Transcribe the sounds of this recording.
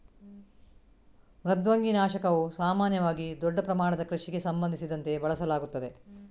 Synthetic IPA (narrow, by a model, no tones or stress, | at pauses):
ɾɐd̪ʋɐŋɡinaːʃɐkɐʋusaːmaːnjɐʋaːɡid̪ɔɖːɐpɾɐmaːɳɐd̪ɐkɾɐʃiɡe̞sɐmbɐnd̪ʱisid̪ɐnt̪e̞bɐɭɐsɐlaːɡut̪ːɐd̪e̞